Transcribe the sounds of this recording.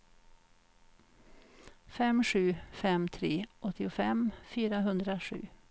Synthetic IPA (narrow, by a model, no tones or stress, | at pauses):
fɛmʂʉːfɛmt̪ʰɾeːʔɔt̪ːɪʊfɛmfyːɾaɦɵnd̪ɾaʂʉ̰ː